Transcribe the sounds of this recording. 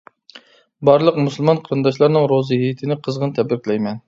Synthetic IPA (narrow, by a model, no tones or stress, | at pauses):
bɑɾlˠəq̚musɨlˠmɑnqʰəɾɨnd̪ɑʃ̬lˠɑɾnɨŋɾozɨɦijit̪ʰɪnɪqʰəzʁənt̪ʰɛbɪɾkʲlɛjmɛn